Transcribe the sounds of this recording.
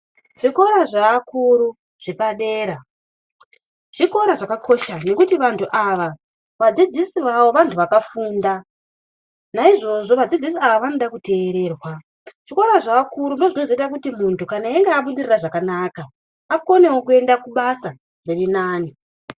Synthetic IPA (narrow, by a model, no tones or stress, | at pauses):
ʐ̥iko̞ɾaʐaːkuɾu | ʐ̥ipaɗe̞ːɾa | ʐ̥iko̞ɾaʐakakʰo̞ʃane̞kutiʋantʰuʔaʋa | ʋad͡zid͡zisiʋawo̞ʋantʰuʋakafuːnda | naiʐo̞ʐo̞ʋad͡zid͡zisiaʋaʋanoɗakute̞ːɾe̞ːrwa | ʐ̥ikoɾaʐaːkuɾundo̞ʐino̞ʐoitak̬utimuntukanaeŋɡeaɓuɗiriraʐakanaka | ako̞ne̞wokue̞ndakuɓasa | nerinaːni